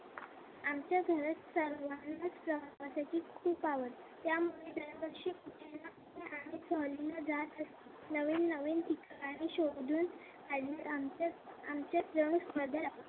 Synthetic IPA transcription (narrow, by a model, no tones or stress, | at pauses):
amt͡ɕjaɡʱəɾət͡ssəɾʋanːəspɾəʋaʋasat͡ɕiːkʰuːpaʋət̪ːjamuɭed̪ənbəkʂikut͡ɕelaunaɽisəɦlilad͡zat̪əst̪i | nəʋiːnːəʋiːnt̪ikkaɽ̃iɕoɡd̪uːn | kad͡ʑiət̪aamt͡ɕjap̪ɾəɳ̃uspəd̪ʱəlaʋət̪